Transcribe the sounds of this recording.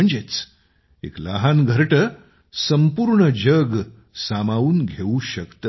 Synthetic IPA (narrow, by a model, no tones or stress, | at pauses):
əɳd͡zet͡s | ḛkla̰ɦanɡʱəɾʈə | səmpuːɾɳəd͡ʑəɡ | samaʋuːnɡʱeũɕəkt̪ə